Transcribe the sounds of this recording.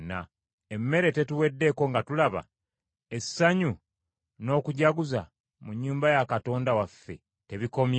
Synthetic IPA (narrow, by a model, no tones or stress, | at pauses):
na | emːe̞ɾe̞te̞tuwe̞dːe̞ko̞ŋɡatulaβa̰ | e̞sːaɲu | no̞ːkuɟaɡuza | muɲːuːmbajakato̞ːndawafːe̞̰ | te̞βiko̞mj